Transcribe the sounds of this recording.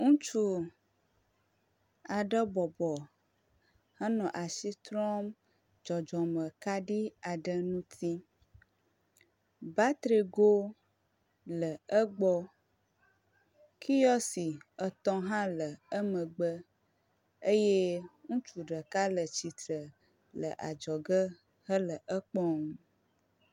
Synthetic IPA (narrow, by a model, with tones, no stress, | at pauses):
ŋũ˦t͡ʃu˦ | a˨ɖə˦bɔ˨bɔ˨ | ha˦nɔ̃˨ʔa˨si˦t̪ɾɔ̃˦m | d͡ʒɔ˨d͡ʒɔ˨mə̃˨ka˦ɖi˦a˨ɖə˦nũ˦t̪ʰi˦ | ba˦t̪ɾe˨ɡo˦ | lə˨ə˦ɡ͡bɔ˦ | kʰi˦jɔ˦si˨ə˨t̪ɔ̃˦ɦã˦lə˨ə˦mə̃˨ɡ͡bə˦ | ə˦je˦ŋũ˦t͡ʃu˨ɖə˨ka˦lə˨t͡ʃi˨t̪ə˨ | lə̰˨ʔa˨d͡ʒɔ˨ɡə˦ | hə˦lə˨ʔə˦k͡pɔ˦ŋ˦